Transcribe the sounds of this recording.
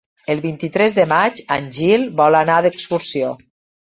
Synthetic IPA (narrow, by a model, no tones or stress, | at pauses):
əlˠβint̪it̪ɾɛzðəmad͡ʒanʲʒilˠbɔlanaðəkskuɾsio